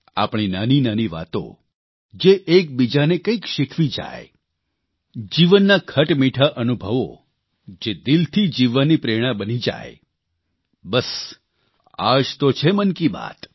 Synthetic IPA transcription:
a̰pɽ̃inaninaniʋa̰t̪õ̰ | d͡ʒeʔek̚bid͡ʒanekə̃ikʃɪkʰʋid͡ʒa̰j | d͡ʒiʋənːakʰəʈmiʈʰaʔənubʱəʋo̰ | d͡ʒed̪ɪlt̪ʰid͡ʒiʋanːipɾeɽ̃ãbənid͡ʒa̰j | bəs | a̰d͡ʒt̪ot͡ʃʰemənkiba̰t̪

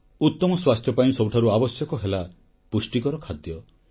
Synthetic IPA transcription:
ut̪ːɔmɔswast̪ʰjɔpaĩsɔwʈʰaɾuabɔsjɔkɔɦela | pusʈikɔɾɔkʰad̪jɔ

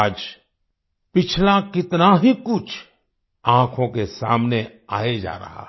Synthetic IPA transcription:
d͡ʒ | pɪt͡ʃʰlakɪt̪naɦikʊt͡ʃʰ | ãːkʰõkesa̰ːmne | aːed͡ʒa̰ːɾɐ̰ɦa̰ː

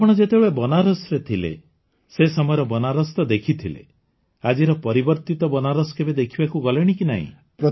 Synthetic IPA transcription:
apɔɽ̃ɔd͡ʒet̪ebɭebɔnaɾɔsɔɾet̪ʰilḛ | sesɔmɔjɔɾɔbɔnaɾɔst̪ɔd̪ekʰit̪ʰilḛ | ad͡ʒiɾɔpɔɾibɔɾt̪it̪ɔbɔnaɾɔsɔ̥kebed̪ekʰibakuɡɔleɽ̃ikina̰ɦḭ̃ | pɾɔ

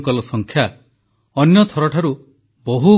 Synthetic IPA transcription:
kɔlɔsɔŋkʰja | ɔnjɔt̪ʰɔɾɔʈʰaɾu | bɔɦu

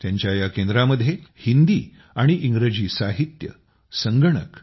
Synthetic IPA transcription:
t̪jaɲt͡ɕjajakend̪ɾaməd̪ʱjehind̪iː | aɽ̃iʔiŋɡɾəd͡ʑiːsaɦit̪jə̰ | səŋɡəɳ̃ə̰k

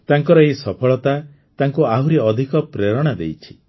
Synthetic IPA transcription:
t̪aŋkɔɾɔesɔpʰɔɭɔt̪a | t̪aŋkuaɦuɾiɔd̪ʱikɔpɾeɾɔɽ̃ad̪ḛjt͡ʃʰi̥

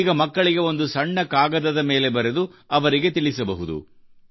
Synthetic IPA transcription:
ɡɐmɐkːɐɭiɡe̞o̞nd̪usɐɳːɐkaːɡɐd̪ɐd̪ɐme̞ːle̞bɐɾed̪uɐʋɐɾiɡe̞t̪iɭisɐbɐɦud̪ṵ

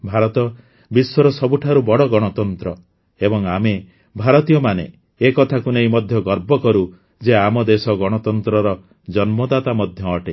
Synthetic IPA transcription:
bʱaɾɔt̪ɔ | biswɔɾɔsɔbuʈʰaɾubɔɽɔɡɔɽ̃ɔt̪ɔnt̪ɾɔ | ebɔŋame | bʱaɾɔt̪ijɔmanḛː | kɔt̪ʰakunejmɔd̪ʱjɔɡɔɾbɔkɔɾu | d͡ʒeamɔd̪esɔɡɔɽ̃ɔt̪ɔnt̪ɾɔɾɔ | d͡ʒɔnmɔd̪at̪amɔd̪ʱjɔːʈe

